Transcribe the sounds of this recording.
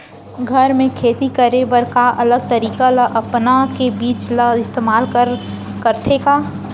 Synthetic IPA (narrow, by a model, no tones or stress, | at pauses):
ɡʱəɾmẽkʰeːt̪ikəɾebəɾkaʔɐləɡ̚t̪əɾiːkaləʔəpnakebiːt͡ʃləɪst̪eːmaːlkəɾ | kəɾt̪ʰeka